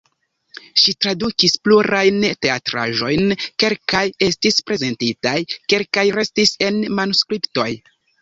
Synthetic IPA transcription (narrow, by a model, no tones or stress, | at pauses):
ʃitɾadukispluɾajnte̞atɾa̰ʒo̞jnke̞lkaje̞stispɾe̞ze̞ntitajke̞lkajɾe̞stise̞nmanuskɾipto̞j